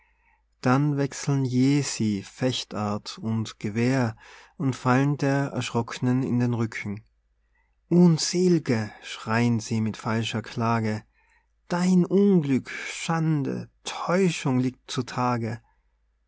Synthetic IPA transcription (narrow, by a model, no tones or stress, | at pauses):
d̥anvɛksl̩n̩jeːziːfɛçtʔaɐtʊntɡ̥əveːɐʔʊntfaləndeːɐɛ̰ɐʃʁ̥ɔkʰənənɪ̰ndeːnʁʏkʰŋ̩ | ʔʊnzeːlɡəʃʁ̥aɪənziːmɪtfalʃɐkʰl̥aːɡə | d̥aɪnʔʊnɡlʏkʃandə̰tʰɔʏʃʊŋliːk̚tt͡sutʰaːɡə